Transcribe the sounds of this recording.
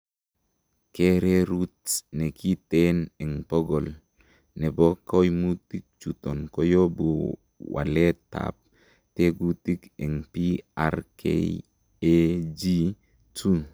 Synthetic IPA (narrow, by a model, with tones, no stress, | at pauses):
ke˦ɾe˦ɾu˦tne˨ki˦te˦nɛ˨ŋpɔ˦ɡɔ˨l | nɛ˨bo˦ko˦jmu˦ti˦k̚t͡ʃu˨to˨nko˦jo˦bu˨ | wa̰˨le˦ta̰p̚ | te˦ɡu˦ti˦kɛ˨ŋpi˦a̰˨ɾkʰḛ˦ | d͡ʒi˦ | tu˦